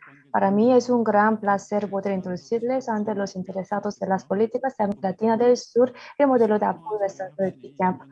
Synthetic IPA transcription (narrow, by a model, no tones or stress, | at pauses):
paɾamiesuŋɡɾanplaseɾpot̪eɾint̪ɾod̪usiɾlesant̪elosint̪eɾesat̪ozd̪elaspolit̪ikasd̪amlat̪inad̪elsuɾjemod̪elod̪eapojvesant̪od̪epikap